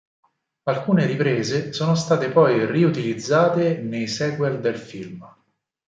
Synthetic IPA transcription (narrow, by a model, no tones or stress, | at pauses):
alkuːneɾipɾeːzesoːnost̪aːt̪epɔjriut̪ilid̪zːaːt̪enejsɛːkwɛld̪elfilm